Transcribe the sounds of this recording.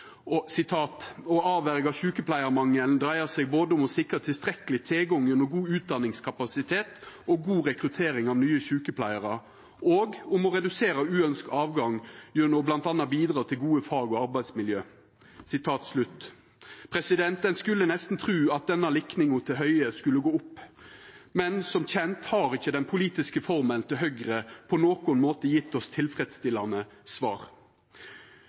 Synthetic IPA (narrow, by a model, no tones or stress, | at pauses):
sɪt̪ʰɑːt̪ɔɑːʋæɾɪɡɑʋɕʉːkəpʰlæɪəɾmɑŋːəlnd̪ɾæɪəsɛɡ̚boːd̪əʊmɔsɪkɾɑt̪ʰɪlst̪ɾɛkəlɪt̪ʰɪlɡɔŋjʉnːɔɡuːʉːt̪̚d̪ɑnɪŋskʰɑpɑsɪt̪ʰeːt̪ɔɡuːʁɛkɾʉt̪ʰeːɾɪŋɑʋnyːəçʉːkəpʰlæɪəʁə | oːɡʊmɔɾɛd̪ʉseːɾəʉːœnskɑːʋɡɑŋjʉnɔblɑnt̪ɑnːɑbiːd̪ɾɑːt̪ʰɪlɡuːəfɑːɡɔɑɾbæɪsmɪljøː | sɪt̪ʰɑːt̪slʉt̪ː | pʰɾɛsɪd̪ɛnt̪ənskʉlːənɛst̪n̩t̪ʰʁʉːɑt̪̚d̪ɛnːɑlɪknɪŋʊt̪ʰɪɦœʏəskʉlːəɡoːʊpː | mɛnsɔmçɛnt̪hɑːɾɪçːəd̪ɛnpʰʊliːt̪ɪskəfɔʁmənt̪ʰɪlɦœɡɾəpʰɔnoːkʊnmoːt̪əjɪt̪ːɔst̪ʰɪlfɾɛd̪st̪ɪlːɑnə | sʋɑ̰ːʁ